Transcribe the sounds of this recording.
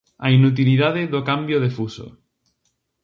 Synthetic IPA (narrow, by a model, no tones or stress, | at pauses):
ainut̪̬iliðað̞eðokambjoðefuso̰